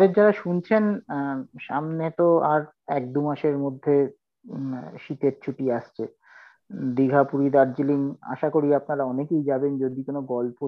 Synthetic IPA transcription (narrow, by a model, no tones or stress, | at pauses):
d̪eɾd͡ʑaɾaʃunt͡ɕʰen | ʃamnet̪oaɾ | ɛk̚d̪umaʃeɾmod̪ʱːe | ʃit̪eɾt͡ɕʰuʈiaʃt͡ɕʰe | d̪iɡʱapuɾid̪aɾd͡ʑiliŋa̰ʃakoɾiapnaɾaɔnekejd͡ʑabend͡ʑod̪ikonoɡɔlpo